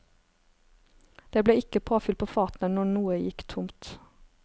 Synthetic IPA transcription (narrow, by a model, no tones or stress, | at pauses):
d̪̥eːbleːɪkəpʰoːfʏl̚pʰoːfɑːt̪n̩ənɔnuːəjɪkt̪ʰʊmt̪